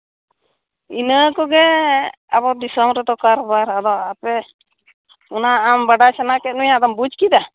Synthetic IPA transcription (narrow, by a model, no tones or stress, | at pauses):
inəkɔɡɛ | abɔd̪isɔmɾɛd̪ɔkaɾɔbaɾad̪ɔapɛ | ɔnaːmbaɖat͡ʃanakɛt̪̚nujad̪ɔmbud͡ʒkid̪a